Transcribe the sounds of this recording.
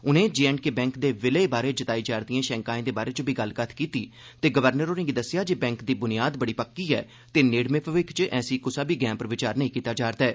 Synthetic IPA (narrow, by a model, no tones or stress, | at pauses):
ʊnẽːd͡ʒeːɛːɳɖkeːbɛ̃ːŋkd̪eːʋeleːbaːɾeːd͡ʒət̪aːid͡ʒaːɾd̪iãːʃɛ̃ːŋkaːẽːd̪eːbaːɾeːt͡ʃõbiːɡəlkət̪ʰkiːt̪iː | t̪eːɡəʋəɾnəɾoːnɪ̃ŋɡid̪əsːɪjaːd͡ʒeːbɛ̃ːŋkd̪iːbʊnɪjaːd̪bəɽiːpəkːiːɛ̰ː | t̪eːneːɽmẽːpʋɪkt͡ʃʔɛːsiːkʊsaːbiːɡɛ̃ːmpəɾʋɪt͡ʃaːɾnəĩːkiːt̪aːd͡ʒaːɾt̪aɛː